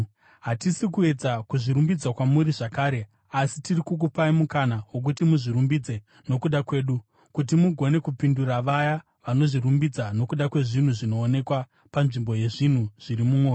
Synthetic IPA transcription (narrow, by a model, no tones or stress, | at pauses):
ɦatisikue̞d͡zakuʐiɾumbid͡zwakwamuɾiʐakaːɾe̞ | asitirikuk̬upaimukanaɦwok̬utimuʐiɾumbid͡ze̞ | no̞kuɗakwe̞ːɗu | kut̬imuɡʱo̞ne̞kupinduraʋaja | ʋano̞ʐiɾumbid͡zano̞kuɗakwe̞ʐin̤uʐino̞ːne̞kwa | panʐimbo̞je̞ʐin̤uʐ̥iɾimumoː